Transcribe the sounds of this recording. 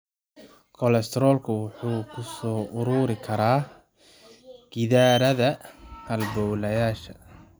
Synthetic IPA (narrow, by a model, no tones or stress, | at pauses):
kʰɔlɛst̪ʰɾɔːlkʰʊwʊħuːkʰʊsɔːʔʊɾuːɾɪkʰɐɾaː | ɡɪðaːɾɐðɐhɐlbɔwlɐjaːʃɐ